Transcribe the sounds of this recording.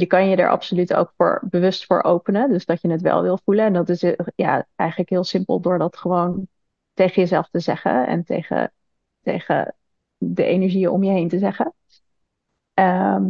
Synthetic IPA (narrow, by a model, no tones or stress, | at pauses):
jəkɑnjədə̰ɹʔɑ̰psolyto̰wkfʊ̰ːɹbəʋɵstfʊːɹʔowpənədøzdɑtjənətʋɛ̰lˠʋɪlˠvuləɛndɑtɪsja̰ːʔɛjχələkɦɪːlˠsɪmpəlˠdʊːɹdɑtχəʋown | tejχəjəzɛlˠftəzɛχə̰ɛ̰ntḛjχə̰ | tḛjχə̰ | dəʔejnəɹʒiəʔʊ̰mjəɦejntəzɛχə | əm